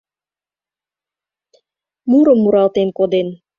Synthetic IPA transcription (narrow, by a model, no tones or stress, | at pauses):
muɾəmːuɾɑlt̪enkod̪en